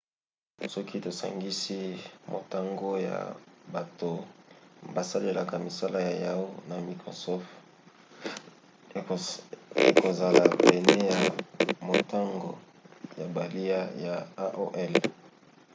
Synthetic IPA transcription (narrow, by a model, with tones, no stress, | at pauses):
sɔ˦kʰi˦to˨sa̰˨ŋɡi˦si˦mo̰˨ta˦ŋɡo˦ja̰˨ba˨to˨ | ba˨sa˦le˨la˨ka˨mi˨sa˦la˦ja˨ja˦o˦na˨mi˨ko˨sɔ˦f | ḛ˨ko˨za˨la˨bɛ˨ne˦ja˨mo˨ta˦ŋɡo̰˨ | ja˨ba˨li˦a˦ja˨a˦ʔo˦ʔɛ˦l